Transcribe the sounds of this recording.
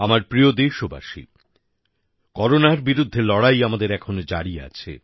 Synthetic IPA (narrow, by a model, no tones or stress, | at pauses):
amaɾpɾijod̪eʃoba̰ʃḭ | kɔɾonaɾbiɾud̪ʱːelɔɽajamad̪eɾɛkʰonod͡ʑaɽiea̰t͡ɕʰḛ